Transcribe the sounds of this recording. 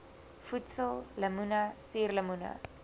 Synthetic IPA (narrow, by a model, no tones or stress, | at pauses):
futsəlˠləmunasirləmunɐ̰